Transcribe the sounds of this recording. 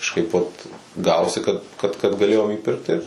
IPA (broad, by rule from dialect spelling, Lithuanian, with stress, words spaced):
kɐʃˈkɐɪp ʋɐt ˈɡɑːʋoːsʲɪ kɐt ˈkɐt kɐt ɡɐˈlʲeːjoːm iːˈpʲɪrkt tɐɪ ˈɪr